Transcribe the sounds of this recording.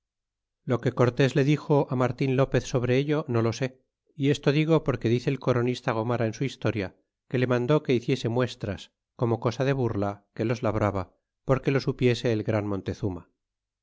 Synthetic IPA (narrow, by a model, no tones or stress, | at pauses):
lo̞ke̞ko̞ɾt̪e̞zle̞ðixo̞ʔamaɾt̪inlo̞pe̞θso̞β̞ɾe̞eʎo̞no̞lo̞se̞ | ie̞st̪o̞ðiɣ̞o̞po̞ɾke̞ðiθe̞ːlko̞ɾo̞nist̪aɣ̞o̞maɾaensuist̪o̞ɾja | ke̞le̞mãnd̪o̞ke̞iθje̞se̞mwe̞st̪ɾas | ko̞mo̞ko̞saðe̞βurlake̞lo̞zlaβɾaβa | po̞ɾke̞lo̞supje̞se̞ːlɣɾanmõ̞nt̪e̞θuma̰